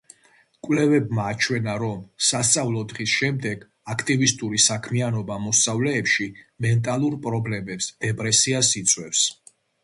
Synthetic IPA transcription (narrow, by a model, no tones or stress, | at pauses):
kʼwlɛvɛbmaːt͡ʃʰwɛnaɾɔmsast̪sʼavlˠɔd̪ʁisʃɛmd̪ɛɡ | akʰt̪ʼivist̪ʼuɾisakʰmianɔbamɔst̪sʼavlɛːpʃimɛnt̪ʼalˠuɾpʼɾɔblɛmɛpsd̪̥ɛpʼɾɛsiasit̪sʼwɛfs